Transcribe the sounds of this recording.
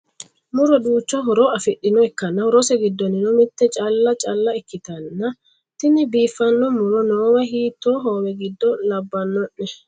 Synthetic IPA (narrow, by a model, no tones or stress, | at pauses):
mʊɾɔduːt͡ʃːɔɦɔɾɔɐfɪɗːɪnɔɛkːɐnːɐɾɔsɛɡɪd̪ːɔnːɪnɔmɪt̪ːɛt͡ʃʼɐlːɐt͡ʃʼɐlːɐɛkːɪt̪ɐnːɐ | t̪ɪnːɪbiːfːɐnːɔmʊɾɔnoːwɐhiːt̪ːoːɦoːmɛɡɪd̪ːɔlɐbːɐnːɔʔːɛ